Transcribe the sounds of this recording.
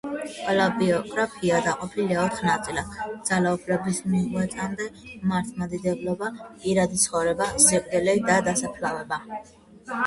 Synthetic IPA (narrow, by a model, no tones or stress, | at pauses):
qʼwɛlabiɔkʼɾapʰiad̪aqʼɔpʰiliaɔt̪χnat̪sʼilad̪d̪zalaupʰlɛbismiʁwɛt̪sʼand̪ɛmaɾt̪ʰmad̪id̪ɛblɔbapʼiɾad̪it̪sʰχɔvɾɛbazɛkʼd̪ɛlɛid̪ad̪asapʰlavɛba